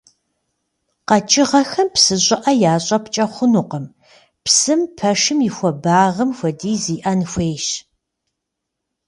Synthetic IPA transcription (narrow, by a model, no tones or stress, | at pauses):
qɐt͡ʃʼɪʁɐxɐmpsɨɕʼɪʔɐjaːɕʼɐpt͡ʃʼɐχʷʊnuːqəm | psɨmpʰɐʂɨmjɪxʷɔbaːʁəmxʷɐdiːziːʔɐnxʷeːjʃ